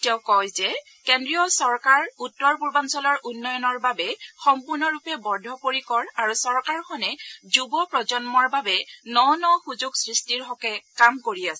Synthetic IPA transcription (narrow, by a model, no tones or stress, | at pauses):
tɛʊ̃kɔjzɛ | kendɹijɔsɔɹkaɹutːɔɹpuɹbansɔlɔɹʔunːɔjɔnɔɹbabɛxɔmpuɹnɔɹupɛbɔɹdʱɔpoɹikɔɹaɹusɔɹkaɹxɔnɛzubɔpɹɔzɔnmɔɹbabɛnɔnɔxuzuɡsɹistiɹɦɔkɛkamkoɹiasɛ